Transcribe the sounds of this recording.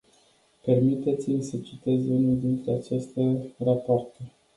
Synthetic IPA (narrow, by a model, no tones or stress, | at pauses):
pe̞rmit̪e̞t̪simʲsət͡ʃit̪e̞zunild̪int̪ɾeat͡ʃest̪ərapoart̪e